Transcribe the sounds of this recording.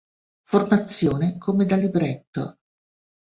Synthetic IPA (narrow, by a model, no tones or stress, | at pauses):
format̪sːjoːnekʰomed̪alibɾɛt̪ːo̰